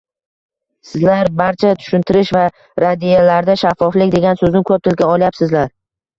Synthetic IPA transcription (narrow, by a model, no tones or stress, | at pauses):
sɪzlaɾbaɾt͡ʃʰat̪ʰʊ̥ʃɪnt̪ʰɪɾɪʃva | ɾad̪ijalaɾd̪aʃafːɒflɪkʲd̪e̞ɡʲansɵznɪkʰɵp̚t̪ʰɪlɡʲaɒljapsɪzlaɾ